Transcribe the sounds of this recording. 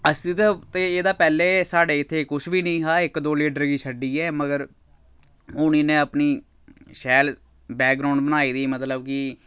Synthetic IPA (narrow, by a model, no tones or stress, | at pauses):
əst̪ɪt̪t̪eːeːd̪aːpɛːleːsaːɖeːɪt̪ʰːeːkʊt͡ʃʰʋiːnə̃ĩːɦaːɪkd̪oːliːʈəɾɡiːsʰəɖiːɛːməɡəɾ | ɦʊːñiːnẽːəpniː | ʃɛːl | bɛːk̚ɡɾaːʊɳɖ̚bənaːiːd̪iːmət̪ləbkɪ